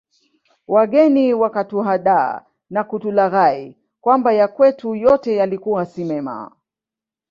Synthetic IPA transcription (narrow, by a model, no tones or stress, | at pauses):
waɠɛniwakatuɦaɗa̰ː | nakutulaɣai | kwambajakwɛtujɔtɛjalikuwasimɛma̰